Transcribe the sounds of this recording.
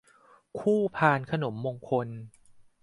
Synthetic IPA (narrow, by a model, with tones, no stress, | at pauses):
kʰuː˥˩pʰaː˧nkʰa˧no˩˦mːoː˧ŋkʰo˧n